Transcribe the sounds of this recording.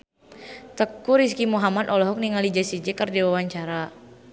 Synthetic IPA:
t̪əkːuɾiskimuɦamat̪ɔlɔɦɔk̚niŋalid͡ʒasid͡ʒɛkərdiwawaɲt͡ʃaɾa

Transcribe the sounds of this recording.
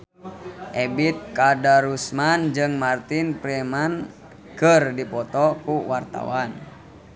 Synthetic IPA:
ʔɛbit̪̚kadaɾusmand͡ʒɨŋmart̪inpɾɛman | kərdipɔt̪ɔkuwart̪a̰wan

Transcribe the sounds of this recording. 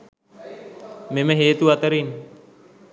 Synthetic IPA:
meməɦeːt̪uɐt̪əɾin

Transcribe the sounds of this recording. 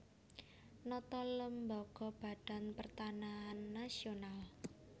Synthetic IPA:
nɔt̪ɔləmbɔɡ̥ɔb̥a̤ɖ̥a̤npərt̪anaɦanːasional

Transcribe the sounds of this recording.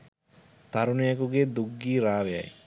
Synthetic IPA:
t̪aɾunuakuɡed̪uɡːiːɾaːʋea̰j

